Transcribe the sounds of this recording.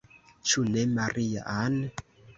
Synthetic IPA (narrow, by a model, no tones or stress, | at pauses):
t͡ʃunɛmaɾija̰ʔanɛ